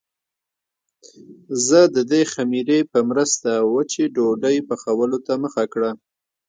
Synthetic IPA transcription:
zəd̪əd̪examiɾepəmɾəst̪awət͡ʃeɖoɖəjpəxawəlot̪aməxakɽa

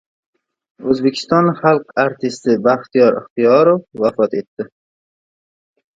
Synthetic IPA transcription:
ɵzbekʲʰɪ̥st̪ɒnχalˠqaɾt̪ʰɪst̪ɪbaχt̪ijɒɾɪ̰χt̪ijɒɾofːafɒt̪e̞t̪ːɪ

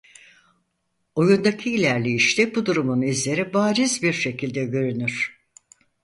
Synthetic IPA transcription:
o̞jund̪acʰiːlʲæɾlʲijiʃt̪ɛbud̪uɾumunizlʲe̞ɾibaːɾizbiɾʃe̞cʰilʲd̪ɛɟø̞ɾynyɾ̥

